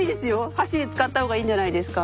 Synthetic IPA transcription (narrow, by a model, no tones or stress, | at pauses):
id̪e̞sɨjo̞haɕiet͡sɨ̥kat̪ːahoːɡaĩːɲd͡ʑanaid̪e̞sɨ̥ka